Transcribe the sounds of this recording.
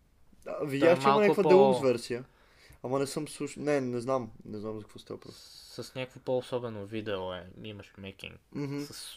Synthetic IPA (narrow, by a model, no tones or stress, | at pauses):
əvid̪ʲjaʃt͡ʃɛialmɐnʲakvəɛlˠozvɛɾsijə | ɐmɐnɛsɤmsuʃnɛnɛznamnɛznamzɐkvɔst̪a̰ɐpɾɔ̰sɐsnʲakvopoːsɔbɛnovid̪ɛoɛimɐʃmɛkʲḭŋkm̩ɦ̩sɐs